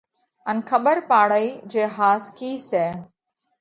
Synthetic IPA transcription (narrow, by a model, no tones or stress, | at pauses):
ənkʰəɓəɾpaːɽəiːd͡ʒeːɦaːskiːsɛː